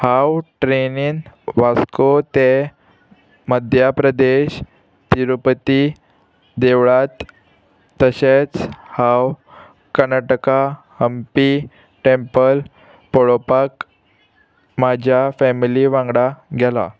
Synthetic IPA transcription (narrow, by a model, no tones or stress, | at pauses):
hawʈɾeninʋaskot̪e | məd̪ʱjapɾəd̪eɕ | t̪iɾupət̪i | d̪eʋɭat̪ː | əɕet͡shaw | kəɾnaʈəka | həmpi | ʈẽmpəl | poɭopak | mad͡ʑʱjafɛmiliʋãŋɡɽaɡʱɛla̰